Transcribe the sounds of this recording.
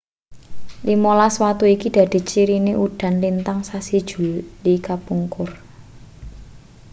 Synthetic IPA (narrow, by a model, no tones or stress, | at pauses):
limolaswat̪uikid̥ä̤d̪̥e̤t͡ʃiɾineʔuɖ̥ä̤nlint̪aŋsasid̥ʒ̥ṳldikapuŋkʊr